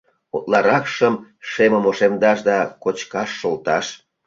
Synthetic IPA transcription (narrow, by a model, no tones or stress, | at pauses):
ot̪lɑɾɑkʃəmʃeməmoʃemd̪ɑʃd̪ɑkot͡ɕkɑʃːolt̪ɑʃ